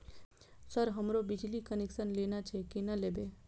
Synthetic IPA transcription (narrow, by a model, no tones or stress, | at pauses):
səɾɦəmɾobid͡ʒlikəneksənlenat͡ʃʰekinəlebe